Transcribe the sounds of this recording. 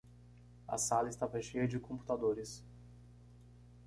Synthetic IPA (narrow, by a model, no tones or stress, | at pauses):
ɐ̰salɐɪst̪avaʃejɐd͡ʒɪkõmpu̥t̪ad̪oɾɪs